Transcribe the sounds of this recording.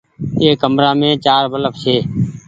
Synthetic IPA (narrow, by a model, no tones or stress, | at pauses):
eːkəmɾãːmẽːt͡ʃaːɾbələfsʰeː